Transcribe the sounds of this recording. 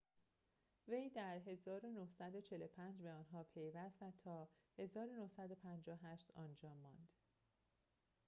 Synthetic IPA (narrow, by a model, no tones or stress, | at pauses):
ve̞jd̪æɾɦe̞zɒːɾonohsæd̪o̞t͡ʃʰe̞lopʰænd͡ʒbeɒːnɦɒːpʰe̞jvæst̪væt̪ʰɒːhe̞zɒːɾonohsæd̪o̞pʰænd͡ʒɒɦæʃt̪ɒːnd͡ʒɒːmːɒːnd̪̥